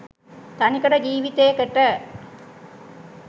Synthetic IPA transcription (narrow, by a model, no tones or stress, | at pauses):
t̪ɐnikɐɽɐd͡ʒiːʋit̪ːeːkeʈːɐ